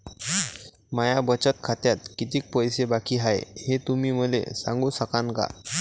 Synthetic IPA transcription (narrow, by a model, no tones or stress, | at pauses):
majabət͡ɕət̪̚kʰat̪jat̪̚kit̪iːk̚pəjsebakʰiːɦaj̰het̪um̤iːm̤əlḛsã̰ŋɡũːsəkaŋka̰